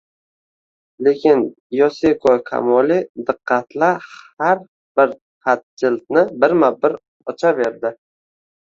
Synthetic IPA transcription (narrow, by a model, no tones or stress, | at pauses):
lekʲʰɪn | jɒsekʰɔkʰa̰mɒlid̪ɨqʰːɑt̪ʰlahaɾ | b̥ɪɾ | hat̪̚d͡ʒɪlt̪̚nɪbɪɾmabɪɾ | ɒt͡ʃʰave̞ɾd̪ɪ